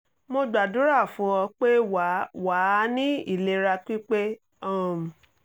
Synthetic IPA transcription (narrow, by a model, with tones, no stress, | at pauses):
mo˧ɡ͡ba˨dũ˨˦ɾa˦˨fũ˨˦ɔ˧k͡pe˦wa˨˦wa˨˦nĩ˦ḭ˦˨le˧ɾa˧ki˦k͡pe˦ | ɔ˦˨˦m˨